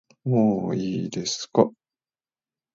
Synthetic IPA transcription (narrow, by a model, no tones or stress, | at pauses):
moːiːd̪e̞sɨ̥ka